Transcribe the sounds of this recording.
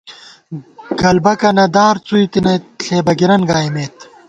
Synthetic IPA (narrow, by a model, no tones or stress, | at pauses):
ɡɐlbɐkɐnɐd̪aːɾt͡suit̪inɐjt̪ɬeːbɐɡiɾɐnɡaːimeːt̪